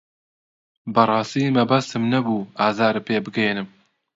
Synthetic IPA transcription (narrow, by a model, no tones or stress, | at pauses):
bɨɾˤɑːst̪iːmɛbɐst̪ɨmnɐbuːaːzaːɾɨpeːbɨɡɛjenɨm